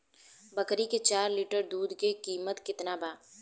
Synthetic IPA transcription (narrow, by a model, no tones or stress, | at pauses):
bəkɾiket͡ʃaːɾliʈəɾd̪uːd̪kekiːmət̪kɪt̪nabaː